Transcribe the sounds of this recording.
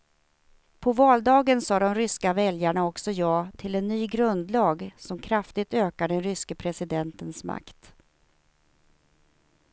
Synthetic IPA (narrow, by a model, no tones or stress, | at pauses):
pʰɔvɑːld̪ɑːɡənsɑːd̪ɔmɾʏskavɛljaɳaɔksɔjɑːt̪ʰɪlɛnːyːɡɾɵnd̪lɑːɡsɔmkʰɾaft̪ɪt̪øːkaɖɛnɾʏskəpʰɾɛsɪd̪ɛnt̪ənsma̰kt̪